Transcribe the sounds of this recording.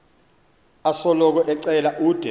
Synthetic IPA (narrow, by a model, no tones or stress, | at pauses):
asɔlɔk̬ɔʔɛǀɛlaʔuːd̥ʱɛ